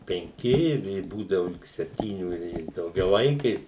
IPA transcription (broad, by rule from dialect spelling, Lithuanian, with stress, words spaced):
pʲɛŋʲˈkʲɪ ɪ ˈʋʲeː ˈbuːdɐʋʊ lʲɪk sʲɛpʲˈtʲiːnʲʊ ɪ dɐʊɡʲɛˈʋɐɪkʲeːs